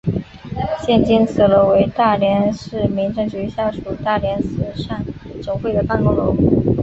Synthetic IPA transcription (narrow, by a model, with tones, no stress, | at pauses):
ɕjɛ˥˩nt͡ɕi˥nt͡sʰɹ̩˨˩lo˧˥ʊwe˧˥ɪt̪a˥˩ljɛ˧˥nʂɻ̩˥˩mi˧˥ŋʈ͡ʂɤ˥˧ŋt͡ɕy˧˥ɕja˥˩ʂu˨˩t̪a˥˩ljɛ˧˥nsɹ̩˨˩ʂa˥˩nʈ͡ʂʊ˨˩ŋfwe˥ɪd̪ə˩pa˥˧nkʊ˥ŋlo˧˥ʊ˥˩